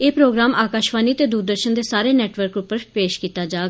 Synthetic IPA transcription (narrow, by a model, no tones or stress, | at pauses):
eːpɾoːɡɾaːmʔaːkaːʃʋaːniːt̪eːd̪uːɾd̪əɾʃənd̪eːsaːɾeːnɛːʈʋəɾkʊpəɾpeːʃkiːt̪aːd͡ʒaːɡ